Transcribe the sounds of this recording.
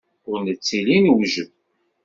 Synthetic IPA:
ʊɾnət͡sːilinwʒəm

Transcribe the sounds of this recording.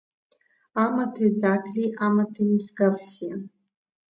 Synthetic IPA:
amatʰejd͡zakʰʼliʔamatʰimsɡafsi

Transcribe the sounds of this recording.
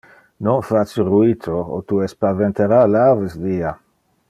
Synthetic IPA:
nonfat͡siruit̪ʰoo̰t̪uespavent̪eɾalavəsdia

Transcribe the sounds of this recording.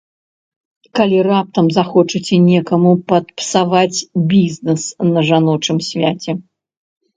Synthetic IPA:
kalʲirap̚t̪ɐmzaxɔt͡ʂɨt͡sʲɛnʲɛkɐmupɐt̪̚psavat͡sʲbʲiznɛsnɐʐanɔt͡ʂɨmsʲvʲat͡sʲɛ

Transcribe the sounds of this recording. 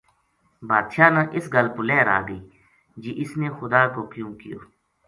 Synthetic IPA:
baːd̪ʃaːnãːʔɪsɡəlpʊlɛːɾa̰ːɡəiː | d͡ʒiːʔɪsneːxʊd̪aːkoːkjũːkɪjo̰ː

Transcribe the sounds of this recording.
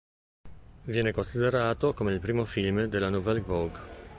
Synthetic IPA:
vjɛːnekonsid̪eɾaːt̪okomeilpɾiːmofilmd̪elːanovɛlvoɡ

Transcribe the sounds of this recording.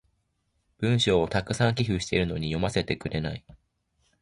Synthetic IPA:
b̥ɯ̟̃ɰ̃ɕoːt̪akɯ̟̥sãŋkʲiɦɯ̟ɕi̥t̪e̞̰ɾɯ̟no̞ɲ̟ijo̞mase̞t̪e̞kɯ̟ɾe̞na̰i

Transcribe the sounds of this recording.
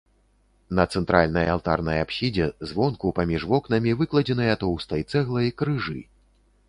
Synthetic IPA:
nɐt̪sɛnt̪ɾʔalʲnɐjalˠt̪a̰rnɐ̰japɕʲid͡zʲɛzvɔnkupamʲiʐvɔknɐmʲivɨklˠɐd͡zʲɛnɨjat̪ɔwst̪ɐjt̪sɛɣlˠɐikɾɨʐɨ̰

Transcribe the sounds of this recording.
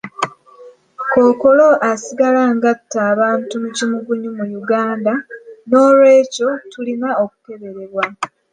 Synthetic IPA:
ko̞ːko̞lo̞ʔasiɡalaŋɡatːaːβaːntumucimuɡuɲumujuɡaːndano̞ːlwe̞ːco̞tulinaoku̥ke̞βe̞ɾe̞βwa

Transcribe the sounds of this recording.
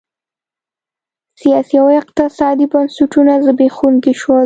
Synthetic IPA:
sijɑsiawɪqt̪ɪsɑd̪ibansuʈunazəbexunɡiʃwo

